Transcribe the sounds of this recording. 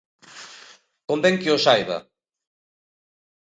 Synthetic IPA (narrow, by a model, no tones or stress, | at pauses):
kombeŋkiosajβa̰